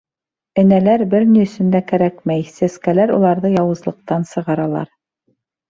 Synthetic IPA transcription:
ɘ̆nælæɾbɘɾniɵ̆sɵ̆nd̪ækæɾækmæjsæskælæɾulˠɑɾðɤjɑwɤ̆zlˠɤ̆q̚t̪ɑnsɤ̆ʁɑɾɑlˠɑ̰ɾ

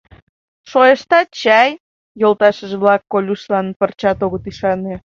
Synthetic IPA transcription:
ʃoeʃt̪ɑt͡ɕɑj | jolˠt̪ɑʃəʒeβlɑkːolʲuʃlɑnpərt͡ɕɑt̪oɣət̪iʃɑne

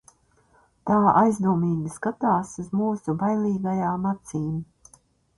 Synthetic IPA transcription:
t̪aːajzd̪uːmiːɡiskat̪aːsuzmuːsubajlˠiːɡajaːmat̪siːm

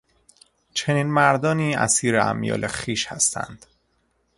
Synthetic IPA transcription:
t͡ʃʰe̞niːnmæɾd̪ɒːniːæ̰siːɾeæ̰mjɒ̰ːlexiːʃhæst̪ʰæ̰nd̪̥

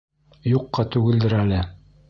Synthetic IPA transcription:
juqːɑt̪ʉɡɘ̆ld̪ɘɾælɘ

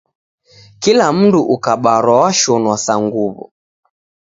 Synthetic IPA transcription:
kilam̩nduʔukaɓaɾwawaʃɔnwasaŋɡuβɔ̰

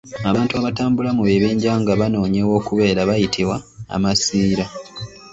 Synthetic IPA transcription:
aβaːntuaβataːmbulamuβe̞βeːɲɟaːŋɡaβano̞ːɲewo̞ːkuβe̞ːɾaβajitʰiβwaa̰masiːɾa

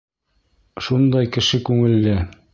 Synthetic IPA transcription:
ʃund̪ɑjkɘ̆ʃɘkʉŋɘ̆lːɘ

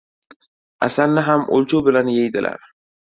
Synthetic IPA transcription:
asalnɪɦamʔo̰lˠt͡ʃʰʊbɪlanjejd̪ɪlʔa̰ɾ

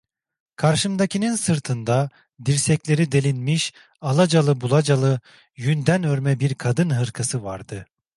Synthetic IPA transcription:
kʰaɾʃɯmd̪acʰininsɯɾt̪ʰɯnd̪a | d̪iɾsɛclʲe̞ɾid̪e̞lʲinmiʃ | alˠad͡ʒalˠɯbulˠad͡ʒalˠɯ | jynd̪ænøɾmɛbiɾkʰad̪ɯnɦɯɾkʰasɯvaɾd̪ɯ

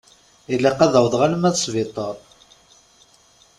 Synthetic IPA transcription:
ilːæqæðəwðʁaləmæðsˤvɪt̪ˤəɾˤ

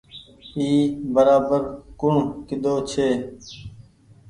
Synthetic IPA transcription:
iːbəɾaːbəɾkʊɳ̤kɪd̪oːt͡ʃʰeː

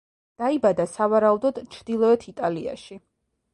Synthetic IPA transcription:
d̪̥aibad̪asavaɾaud̪ɔd̪̥t͡ʃʰɾd̪̥ilˠɔɛt̪ʰit̪ʼalia̰ʃi

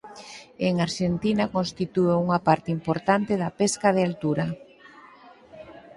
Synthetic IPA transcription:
eŋaɾʃent̪inakõnst̪it̪ueuŋapaɾt̪eimpoɾt̪ant̪eðɐpeskað̞ealt̪uɾa

